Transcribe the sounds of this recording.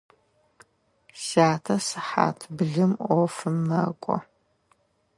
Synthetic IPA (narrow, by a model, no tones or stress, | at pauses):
saːtʰɐsɨħa̰ːtʰbɨɮɨmʔʷɔfɨmnɐkʷʼɔ̰